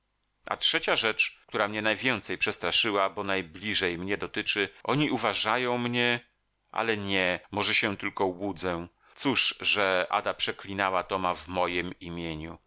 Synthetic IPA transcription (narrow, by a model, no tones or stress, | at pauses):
ʔa̰tʂɛt͡ɕaʐɛt͡ʂk̚t̪uɾamɲɛnajvʲjɛnt̪sɛjpʂɛst̪ɾaʂɘwabɔnajblʲiʐɛjmɲɛd̪ɔt̪ɘt͡ʂɘʔɔɲiʔuvaʐajɔ̃w̃mɲɛ | ʔa̰lɛɲɛmɔʐɛɕɛ̃t̪ɘlkɔwud̪zɛ | t̪suʂʐɛʔa̰d̪apʂɛklʲinawat̪ɔmavmɔjimimʲjeɲu